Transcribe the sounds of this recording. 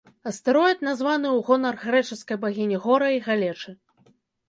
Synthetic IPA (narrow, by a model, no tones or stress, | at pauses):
ɐst̪ɨɾɔjɛt̪̚nazvanɨuɣɔnɐrɣɾɛt͡ʂɨskɐjbaɣʲinʲiɣɔɾɐiɣalʲɛt͡ʂɨ